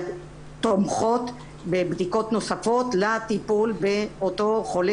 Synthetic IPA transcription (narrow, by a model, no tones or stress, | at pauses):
t̪omχo̞t̪ | bebd̪iko̞t̪no̞safo̞t̪lat̪ipulbeoto̞χole